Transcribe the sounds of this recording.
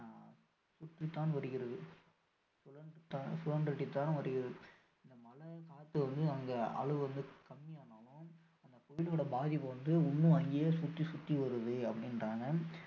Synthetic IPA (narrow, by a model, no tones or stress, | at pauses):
sʊt̪ːit̪ːaːnʋɐɾɯɣɪɾɐðɯ | sʊlɐnɯt̪ːaːsʊlɐɳɖɾɪʈːit̪ːaːnʋɐɾɯɣɪɾɐðɯ | ɪnd̪ɐmɐlɐkaːt̪ːɯʋɐnd̪ɯɐŋɡɐɐ̰ɭɐʋɯʋɐnd̪ɯkɐmːɪjaːnɐʋʊ̃ | ɐnd̪ɐpɔjɪloːɽɐbaːðɪpːɯʋɐnd̪ɯʊɳːɯɐŋɡjeːsʊt̪ːisʊt̪ːiʋɐɾɯðɯɐpːɐɽɪnraːŋɡɐ